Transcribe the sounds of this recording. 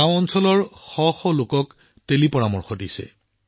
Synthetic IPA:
ãw̃ɔnsɔlɔɹxɔxɔlokɔk | telipɔɹamɔɹxɔdisɛ̰

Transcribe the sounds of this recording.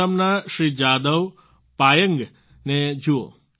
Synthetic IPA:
əmnaʃɾid͡ʒad̪əʋ | pajəŋɡ | ned͡ʒuo̰

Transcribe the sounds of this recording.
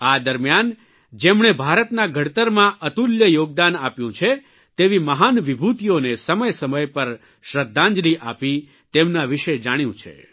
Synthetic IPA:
ad̪əɾmjan | d͡ʒemɳ̃ebʱaɾət̪naɡʱəɽt̪əɾmãʔət̪uljəjoɡ̚d̪anapjũt͡ʃʰe | t̪eʋiməɦanʋibʱut̪ijonesəməjsəməjpəɾ | ʃɾəd̪ʱːãɲd͡ʒliʔapi | t̪emnaʋiʃed͡ʒaɽ̃jũt͡ʃʰḛ

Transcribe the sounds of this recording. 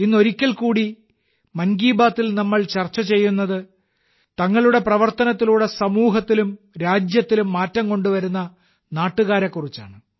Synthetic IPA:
inːo̞ɾikʲːɐɭkuːɽi | mɐnɡiːbaːt̪ːilnɐmːɐɭt͡ɕɐrt͡ɕːɐt͡ɕe̞jːunːɐðɨ | t̪ɐŋːɐɭuɽe̞prɐʋɐrt̪ɐnɐt̪ːiluːɽesɐmuːɦɐt̪ːilum | ɾaːd͡ʑjɐt̪ːilumːaːtːɐmko̞ɳɖuʋɐɾunːɐ | naːʈːuɣaːɾɐkːurit͡ɕːa̰ːɳɨ

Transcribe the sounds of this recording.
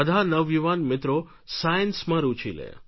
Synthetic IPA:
əd̪ʱanəʋjiʋanmɪt̪ɾo | sajənsmãɾut͡ʃʰilḛ

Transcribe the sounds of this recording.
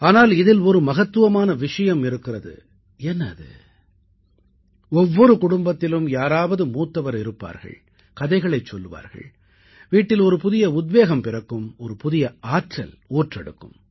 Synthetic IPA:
aːnaːlɪðɪlɔɾɯmɐɣɐt̪ːɯʋɐmaːnɐʋɪʂɐjɐmɪɾɯkːɪrɐðɯ̰ | ɛnːɐðɯ̰ | ɔʋːɔɾɯkʊɽʊmbɐt̪ːɪlɯmjaːɾaːʋɐðɯmuːt̪ːɐʋɐɾɪɾɯpːa̰ːɾɣɐ̰ɭ | kɐðɐɪɣɐɭɐɪt͡ʃːɔlːɯʋa̰ːɾɣɐ̰ɭ | ʋiːʈːɪlɔɾɯpʊðɪjɐʊd̪̚ʋeːɣɐmpɪrɐkːɯmɔɾɯpʊðɪjɐaːʈrɐ̰l | oːʈrɛɽɯ̰kːɯ̰m

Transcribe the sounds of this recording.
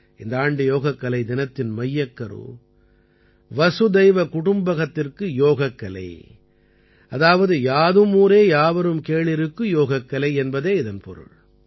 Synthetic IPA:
ʔɪnd̪ɐaːɳɖɯjoːɣɐkːɐlɐɪd̪ɪnɐt̪ːɪnmɐjːɐkːɐɾɯ̰ | ʋɐsɯd̪ɐɪʋɐkʊɽʊmbɐɣɐt̪ːɪrkɯjoːɣɐkːɐlɐ̰ɪ | ʔɐðaːʋɐðɯjaːðɯmuːɾeːjaːʋɐɾɯmkeːɭɪɾɯkːɯjoːɣɐkːɐlɐɪɛnbɐðeːɪðɐnpɔ̰ɾɯ̰ɭ

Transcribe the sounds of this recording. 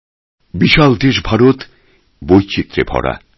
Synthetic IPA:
biʃald̪eʃbʱaɾot̪ | bojt͡ɕit̪ːɾḛbʱɔ̰ɽa̰

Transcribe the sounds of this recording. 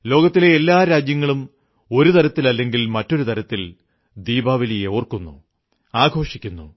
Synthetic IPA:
lo̞ːɡɐt̪ːile̞ːlːaːɾaːd͡ʑjɐŋːɐɭum | o̞ɾut̪ʰɐɾɐt̪ːilɐlːe̞ŋɡilmɐtːo̞ɾut̪ɐɾɐt̪ːil | d̪iːbaːʋɐlijeoːrkunːṵ | aːɡʱo̞ːʂikʲːunːṵ

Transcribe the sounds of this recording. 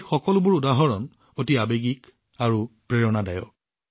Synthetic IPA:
xɔkɔlʊbʊɹudaɦɔɹɔn | otiabeɡik | aɹupɹeɹɔnadajɔk̚

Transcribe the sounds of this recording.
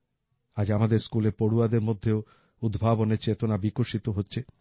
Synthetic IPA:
ad͡ʑamad̪eɾskuleɾpoɽuad̪eɾmod̪ʱːeo | ud̪bʱaboneɾt͡ɕet̪onabikoʃit̪oɦotːɕʰe

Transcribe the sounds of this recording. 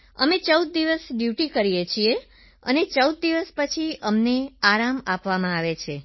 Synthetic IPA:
ə̰met͡ʃəwd̪̚ːiʋəsɖjuʈikəɾijet͡ʃʰie | ə̰net͡ʃəwd̪̚ːiʋəspət͡ʃʰiəmneaɾamapʋamãaʋet͡ʃʰe

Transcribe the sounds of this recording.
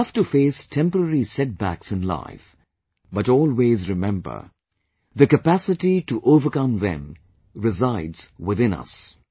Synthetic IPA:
ʌftufeɪstʰɛ̃mpəɾəɾisɛt̚bæksɨ̃nla̰ɪf | bʌɾɔːlˠwezɹɨmɛ̃mbə̰˞ | ðɨkəpæsɨtituʔoʊvə˞kʌ̃mðɛ̰̃m | ɹɪzaɪdz̥wɪðɪ̃nʌ̰s

